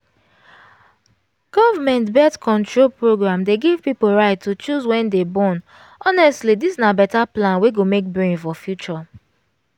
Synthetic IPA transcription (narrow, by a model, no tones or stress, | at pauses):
ɡ̥ɔvamɛ̃ntbɛtkɔ̃ntɹolpɹoɡɹãmdeɡiv̥pipoɹaɪtʰːut͡ʃuzwɛ̃ndebɔ̃n | ɔnɛstlidisnabɛtaplãnweɡomek̚bɹĩnfɔfjut͡ʃɔ